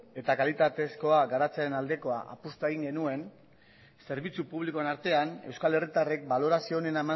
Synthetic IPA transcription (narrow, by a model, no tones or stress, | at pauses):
e̞t̪akalit̪at̪e̞sko̞aɡaɾat͡saenald̪e̞ko̞a̰ʔa̰pust̪ueɣiŋɡe̞nue̞n | se̞ɾβit͡supuβ̞liko̞enaɾt̪e̞ane̞wskale̞rit̪arek̚balo̞ɾasio̞ne̞nama